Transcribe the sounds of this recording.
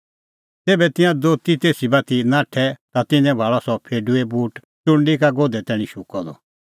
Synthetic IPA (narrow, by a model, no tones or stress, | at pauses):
t̪eːbɛt̪ɪ̃jãd̪oːt̪it̪eːsibat̪inãːʈʰɛt̪at̪ɪ̃ɲɛ̃bʱaːɭɔsɔpʰeːɖuɛbuːʈ | ʈʊ̃ɳɖikaɡoːd̪ɛt̪ɛ̃ːɽ̃ĩʃʊkɔd̪ɔ̰